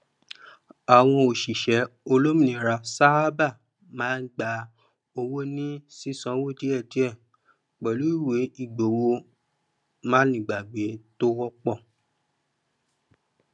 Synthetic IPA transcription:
a˨w̃ɔ̃˧o˨ʃi˨ʃɛ˨˦o˧lo˦mĩ˦˨ĩ˨˦ɾa˧sa˦a˦ba˦˨ | mãː˦n̩˦ɡ͡ba˧˦ | o˧wo˦nĩ˦si˦sã˨˦wo˦di˦ɛ˦˨di˨˦ɛ˦˨ | k͡pɛ˨lu˨˦i˦˨we˨˦i˦˨ɡ͡bo˨wo˧ | mãː˦nĩ˨ɡ͡ba˨ɡ͡be˨˦to˦wɔ˦k͡pɔ˦˨

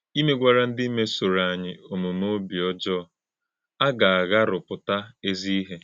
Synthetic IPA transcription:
i˦me˦ɡʷa˨ɾa˦n̩˦dɪ˦i˦me˦so˨ɾa˨ɲɪ˨o˨mo˨mo˦bi˨ɔ˦d͡ʒɔ˦˨ | a˦ɡa˨a˨ɣa˦ɾʊ˨pʊ˨ta˦e˦zi˦i˦ɦe˦

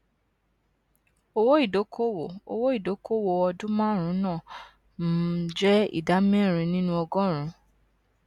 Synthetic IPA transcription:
o˧wo˦i˦˨do˨˦kʰo˦wo˨o̰˧wo˦i˦˨do˨˦kʰo˦˨wo˧˨ɔ˧dũ˦mãː˦˨ɾ̃ũ˨˦nãː˦˨ | m̩˦d͡ʒɛ˦ḭ˦˨da˨˦mɛ̃˦˨ɾ̃ĩ˧nĩ˦nũ˦ɔ˧ɡɔ̃˦˨ɾ̃ũ˨˦

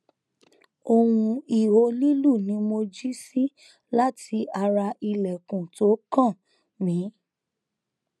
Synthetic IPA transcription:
o˧wũ˧i˨wo˧˦li˦lu˦˨nĩ˨˦mo˧d͡ʒi˦si˦ | la˦tʰi˧˦a˧ɾa˧i˧lɛ˨kũ˨to˨˦kã˦˨ | mĩ˨˦

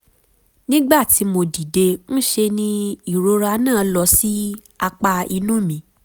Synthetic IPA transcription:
nĩ˦ɡ͡ba˦˨ti˨˦mo˧di˨de˧n̩˦ʃe˧nĩ˧i˦˨ɾo˧˦ɾa˧˦nãː˦˨lɔ˧˦si˦ | a˧k͡pa˧i˧nũ˦mĩ˨˦

